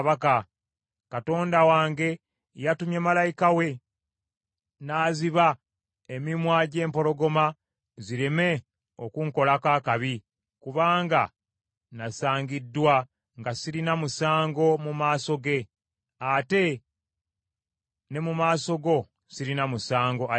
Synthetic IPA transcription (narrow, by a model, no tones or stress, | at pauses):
βaka | kato̞ːndawaːŋɡe̞ | jatumjemalajikawe̞ | naːziβa | emimwaːɟe̞ːmpo̞lo̞ɡo̞ma | ziɾeme̞ | okuŋko̞lakaːkaβi | kuβaːŋɡa̰ | nasaːɲɡidːwa | ŋɡasiɾinamusaːŋɡo̞mumaːso̞ɡe̞ | ate̞ | ne̞mumaːso̞ɡo̞ | siɾinamusaːŋɡo̞